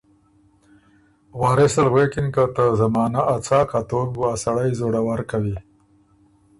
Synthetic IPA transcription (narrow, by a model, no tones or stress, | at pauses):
wɑːɾesalɣwekɪnkat̪əzamɑːnaʔat͡sɑːkat̪ok̚ɡuasaɽajzoɽawaɾkawi